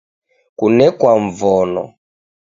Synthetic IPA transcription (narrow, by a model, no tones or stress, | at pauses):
kunɛkwaɱvɔnɔ̰